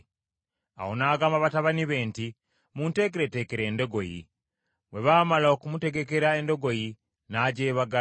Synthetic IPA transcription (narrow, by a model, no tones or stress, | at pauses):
a̰honaɡamaβataβaniβe̞ːnti | muːnte̞ːk̬eɾete̞keɾe̞ːndo̞ɡo̞jḭ | we̞βaːmalaokumute̞ɡe̞ke̞ɾae̞ndo̞ɡo̞ji | naːɟeːβaɡa